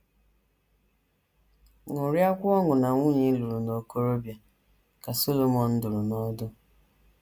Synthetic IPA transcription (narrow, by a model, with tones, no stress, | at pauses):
ŋʊ˨ɾja˦kʷʊ˦ɔ˦ŋʊ˨na˨ŋʷu˦ɲi˦lu˨ɾu˨no˨ko˦ɾo˦bja˨ | ka˨so˦lo˨mɔ˨n̩˦dʊ˨ɾʊ˨nɔ˦dʊ˦